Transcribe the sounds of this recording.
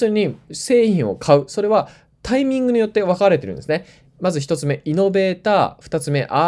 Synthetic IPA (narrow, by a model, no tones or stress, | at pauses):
ɨɲ̟ise̞ːĩɰ̃o̞̰kʰaɯ̟so̞ɾe̞βa | t̪aimʲĩŋɡɯ̟ɲ̟ijo̞t̪ːe̞βakaɾe̞t̪e̞ɾɯ̟̃nd̪esɨne | mazɨçi̥t̪o̞t͡sɨme̞ino̞be̞ːt̪aːɸɯ̥t̪at͡sɨme̞ʔa